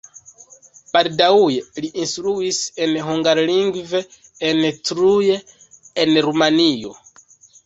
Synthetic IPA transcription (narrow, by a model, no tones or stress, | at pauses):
paɾdaujeliʔinstɾuise̞nɦuŋɡaɾliŋɡveː | ntɾuje̞ː | nɾumanijo̞̰